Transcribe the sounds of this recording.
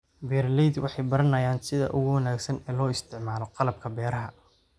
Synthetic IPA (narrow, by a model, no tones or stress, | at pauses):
bɛːrlɛjd̪wʔɑ̰ħɑjbɐɾɐnɐjaːnsɪðɐ̰ʔʊɣʊwɐnaːɡsɐnɛːlɔːɪst̪ʰɪʕmaːlɔqɑlɐb̚kʰɐbɛːɾɐɦɐ